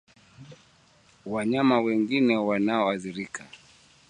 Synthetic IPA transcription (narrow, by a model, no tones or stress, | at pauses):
waɲamawɛŋɡinɛwanaɔaθiɾikʰa